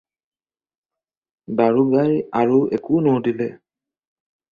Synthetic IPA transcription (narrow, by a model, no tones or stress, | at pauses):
baɹuɡajaɹuɛkʊnodilɛ